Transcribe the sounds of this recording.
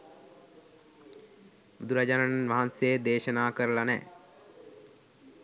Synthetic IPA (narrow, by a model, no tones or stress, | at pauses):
bud̪uɾad͡ʒanananʋaɦansjed̪eːʃənaːkəɾəlanɛ̰ː